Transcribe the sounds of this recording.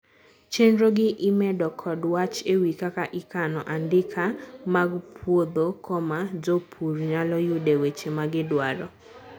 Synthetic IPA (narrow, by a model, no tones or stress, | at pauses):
t͡ʃendɾoɡɪʔɪmɛdɔkʰɔdwat͡ʃewikakaʔɪkanɔʔandɪkʰamaɡpʰwod̪okʰɔmad͡ʒopʰuɾɲalɔjʊdewet͡ʃemaɡɪdwaɾɔ